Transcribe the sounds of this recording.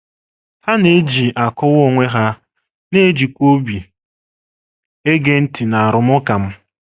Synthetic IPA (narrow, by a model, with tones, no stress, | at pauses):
ha˦ne˦d͡ʒi˨ʔa˨kɔ˦wo˨ŋʷe˦ɦa˦ | ne˦d͡ʒi˨kʷo˦bi˨ | e˦ɡe˦n̩˦ti˨na˨a˨ɾʊ˨mʊ˦ka˨m̩˦